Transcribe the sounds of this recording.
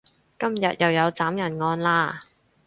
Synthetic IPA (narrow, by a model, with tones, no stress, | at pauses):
kɐ˥mjɐ˨t̚jɐ˨wjɐ˨˧wt͡saː˨˥mjɐ˨˩nŋɔː˧nlaː˧